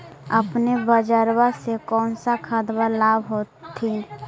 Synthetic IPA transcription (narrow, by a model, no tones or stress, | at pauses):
əpnebəd͡ʒəɾwasekɔːnsakʰad̪balaːbɦoːt̪ʰːi